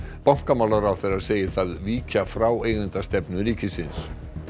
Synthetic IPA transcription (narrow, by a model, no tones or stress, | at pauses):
pawŋ̥kamawlaɾawθeɾaðseːjɪ̥θaðviːcafɾaːweːjɣənt̪ast̪ɛpnʏɾiːcɪsɪns